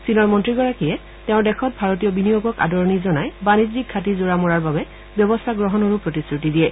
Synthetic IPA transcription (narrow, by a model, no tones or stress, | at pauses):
sinɔɹmɔntɹiɡɔɹakiɛ | tɛ̃ʊ̃ɹdɛxʰɔt̚bʱaɹot̬ijɔbinijoɡɔka̰dɔɹɔnizɔnajbanizik̚ʰːatizoɹamɔɹaɹbabɛ | bjɔbɔstʰaɡɹɔɦɔnɔɹupɹɔtisɹutidijɛ